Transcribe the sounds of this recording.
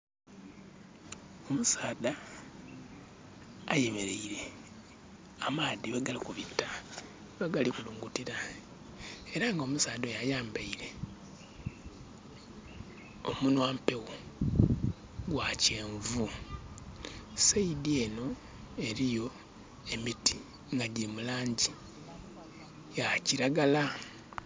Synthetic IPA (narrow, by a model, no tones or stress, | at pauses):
o̞musaːda | jeme̞ɾeiɾe̞ | amaːðiβaɡalikuβitːa | βaɡalikuluːŋɡutiɾa | eɾaŋɡo̞musaːd̪o̞jajaːmbaiɾe̞ | o̞̰munwaːmpe̞wo | ɡwace̞ːɱvu | seidie̞no̞ | e̞ɾijo̞ | emiti | ŋɡaɟemulaːɲɟi | jaciɾaɡala